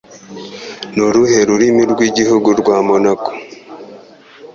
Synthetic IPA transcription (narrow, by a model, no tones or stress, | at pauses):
noɾuhe̞ɾuɾimiɾɡwiɟihuɡuɾɡwaːmonako̥